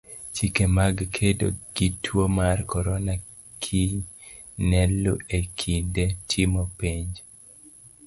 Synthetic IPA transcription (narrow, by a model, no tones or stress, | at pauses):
t͡ʃikemaɡkʰedo̰ɡ̥itʰwomarkɔɾɔna | kʰiɲ | nɛlːṵekʰindetʰimɔpiɲd͡ʒ